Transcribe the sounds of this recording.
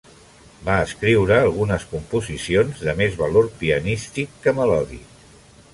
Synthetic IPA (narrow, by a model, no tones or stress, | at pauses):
baəskɾiwɾəːlˠɣunəskumpuzisionzðəmezβəloɾpiənist̪ikːəməlɔðḭ